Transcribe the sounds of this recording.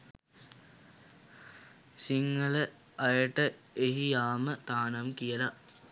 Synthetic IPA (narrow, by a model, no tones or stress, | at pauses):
siŋːələ | ajəʈə | eɦijaːmət̪aːnamkijəla